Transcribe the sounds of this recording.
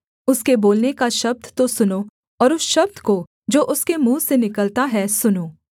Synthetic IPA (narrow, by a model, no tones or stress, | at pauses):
ʊskeboːlnekaʃɐb̚d̪ʱt̪osʊnoː | ɔːɾʊsʃɐb̚d̪ʱko | d͡ʒoːʔʊskemũːsenɪkəlt̪aɦɛsʊnoː